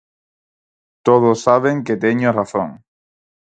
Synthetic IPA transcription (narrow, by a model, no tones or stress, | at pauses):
t̪oð̞osːaβ̞ẽŋket̪eɲoraθõ̰ŋ